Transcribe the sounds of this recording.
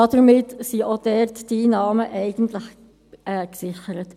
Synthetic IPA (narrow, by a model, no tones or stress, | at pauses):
ɑdəɾmɪtsiʔod̥ɛɾtd̥inɑːməʔɛɪɡ̥ən̩t̪ləχ | ɛksɪxəɾət